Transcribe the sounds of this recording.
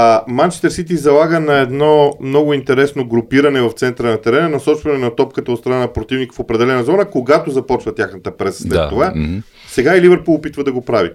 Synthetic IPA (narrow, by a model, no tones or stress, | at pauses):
mant͡ʃɛ̥st̪ɛɾsit̪izɐlˠaɡənɐɛd̪nɔmnɔɡʊint̪ɛɾɛsnoɡɾʊpiɾɐnɛvɐft̪sɛnt̪ɾənɐt̪ɛɾɛnənɐsɔt͡ʃvɐnɛnɐt̪ɔp̚kət̪ɐot̪st̪ɾɐnanɐpɾot̪ivnikə̥fopɾɛd̪ɛlɛnɐzɔɾəkoɡat̪ozɐpɔt͡ʃvət̪ʲjaxnət̪əpɾɛsə̥slɛt̪ːova | sɛɡailivəɾpəlˠopit̪vəd̪ɐɡopɾavḭ